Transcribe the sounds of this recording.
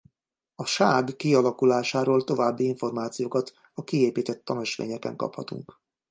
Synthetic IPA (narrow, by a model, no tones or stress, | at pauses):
ɒʃaːɡːiɒlɒkulaːʃaːɾoːlt̪o̞vaːbːiiɱfo̞rmaːt̪sijoːkɒt̪ | ɒkieːpiːt̪ɛt̪ːɒnøʃʋḛːɲɛkɛ̰ŋkɒ̰phɒt̪ṵŋk